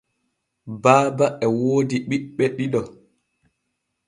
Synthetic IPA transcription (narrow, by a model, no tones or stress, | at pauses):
baːbaɛwoːdiɓiɓːɛɗiɗɔ